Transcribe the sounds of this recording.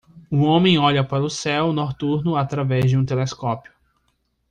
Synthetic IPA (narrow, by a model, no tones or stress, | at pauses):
ʊõmẽj̃ɔʎɐpaɾʊsɛwnoɾt̪uɾnʊat̪ɾavɛzd͡ʒɪũt̪eleskɔpiʊ